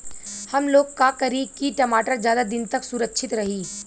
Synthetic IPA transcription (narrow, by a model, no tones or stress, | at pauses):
hɐmloːɡkːakəɾikiʈɐmaːʈəɾzjaːd̪ad̪ɪnt̪ɐksʊɾəkʃʰɪt̪ɾɐɦiː